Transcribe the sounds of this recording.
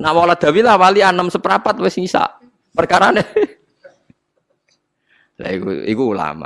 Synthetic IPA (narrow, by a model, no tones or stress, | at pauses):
namoŋlad̪̥a̤wilahwalianəmsəpəɾapat̪wɪsŋisa̰ʔ | pərkaɾane | la̰ikṵikuːla̰ma̰